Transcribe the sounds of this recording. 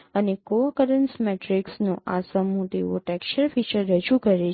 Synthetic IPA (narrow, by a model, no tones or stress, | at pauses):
ənekoakəɾənsmɛʈɾiksnõʔasəmːũt̪iʋoʈɛkʃəɾfit͡ʃəɾːəd͡ʒukəɾe